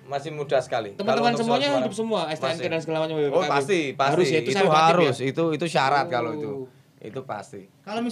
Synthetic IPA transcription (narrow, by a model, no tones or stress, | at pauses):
masɪhmudahsə̥kalit̪əmənt̪əmansəmuaɲahud͡ʒʊp̚səmuaɛst̪eɛnkadans̬əɡəlamaɲababoapat̪ipaaɾʊsjaiuisauɦaɾʊsit̪uit̪uʃaɾat̪̚kaloit̪u | ḭt̪upa̰st̪ikalomi